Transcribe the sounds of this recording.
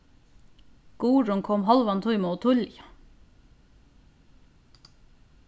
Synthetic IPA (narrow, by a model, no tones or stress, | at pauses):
ɡ̥uːɹʊŋkʰɔmhɑlʋɑnt̪ʰʊʏmot̪ʰʊljɑ